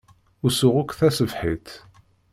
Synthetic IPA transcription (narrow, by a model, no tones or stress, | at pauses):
ʊsʊʁʊkʷːθæsəvħit̪